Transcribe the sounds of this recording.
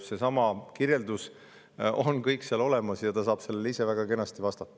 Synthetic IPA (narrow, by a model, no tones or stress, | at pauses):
se̞sɑmɑkirje̞ld̪us | o̞nkɤjkseɑlo̞le̞mɑsjɑt̪ɑsɑːb̥se̞lːelise̞væɡ̥ɑke̞nɑst̪ivɑst̪ɑt̪ˑːɑ̥